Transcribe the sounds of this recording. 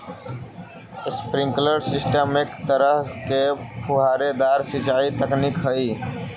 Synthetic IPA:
spɾiŋkləɾsisʈəmekt̪əɾəɦkepʰuɦaɾed̪aɾsit͡ʃait̪əknikɦəi

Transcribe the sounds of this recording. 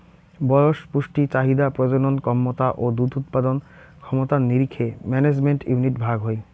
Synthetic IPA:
bɔjoʃpuʃʈit͡ɕaɦid̪apɾod͡ʑononkɔmːot̪aʔod̪ud̪ʱut̪pad̪on | kʰɔmot̪aniɾikʰːemɛned͡ʑmeɳʈjuniʈbʱaɡɦoe

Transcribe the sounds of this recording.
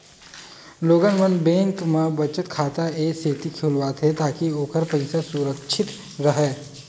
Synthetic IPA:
loːɡənmənbẽːŋkmẽbɐt͡ʃət̪kʰaːt̪aeːseːt̪ikʰulʋaːt̪ʰet̪aːkioːkəɾpɐɪsasuːɾəkt͡ʃʰɪt̪ | ɾɐɦɛː

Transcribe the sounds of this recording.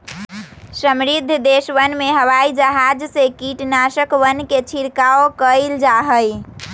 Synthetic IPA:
səmɾid̪ʱːd̪esʋənmeɦəʋaid͡ʒəɦad͡ʒsekiʈnasəkʋənːket͡ʃʰiɾkaokəɪld͡ʒaɦəj

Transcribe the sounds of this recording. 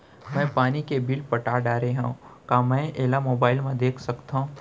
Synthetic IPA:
mɛ̃ːpaːnikebilpɐʈaːɖaːɾeɦãkaːmɛ̃ːeːlamoːbaːɪlmẽd̪eːkʰsɐkt̪aɦũ

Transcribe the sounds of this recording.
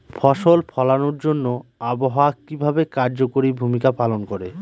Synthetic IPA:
fʰɔʃolpʰɔlanoɾd͡ʑonːoaboɦaakibʱabekaɾd͡ʑokoɾibʱumikapalonkoɾe

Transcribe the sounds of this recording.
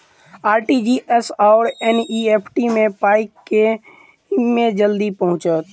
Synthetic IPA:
aːɾʈid͡ʒiʔesaʊɾeniepʰʈimẽpaːɪkːe | mẽd͡ʒəld̪ipəɦʊ̃t͡ʃət̪̚

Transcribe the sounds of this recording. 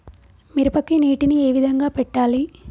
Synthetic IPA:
miɾupɐkːiniːʈinieːʋid̪ʱɐŋɡaːpɛʈːaːli

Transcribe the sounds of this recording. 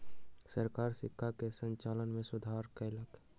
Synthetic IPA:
səɾkaːɾsɪkʰːakesə̃ɲt͡ʃaːlənmẽsʊd̪ʱaɾkələk

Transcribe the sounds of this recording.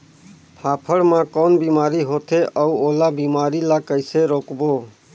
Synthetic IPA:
pʰaːpʰəɽmãːkoːnbiːmaːɾiːɦoːt̪ʰeːʔəuːoːlaːbiːmaːɾiːlaːkəɪseːɾoːkboː

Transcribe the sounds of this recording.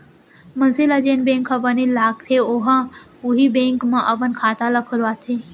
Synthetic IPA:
mɐ̃nsilad͡ʒeːnbẽːŋkʰɐbənilaːɡ̚t̪ʰeoɦã | uɦibẽːŋkmãʔɐpənkʰaːt̪alakʰʊlʋaːt̪ʰe

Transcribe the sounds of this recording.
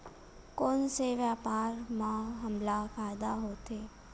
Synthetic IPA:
konseʋjapaɾmãɦəmlakad̪aɦot̪ʰe

